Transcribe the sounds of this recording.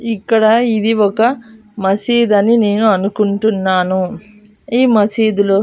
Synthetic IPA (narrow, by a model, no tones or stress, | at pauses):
ikːɐɽɐid̪iɔkɐ | mɐsiːd̪ɐnine̞ːnuɐnukuɳʈunːaːnu | iːmɐsiːd̪ulo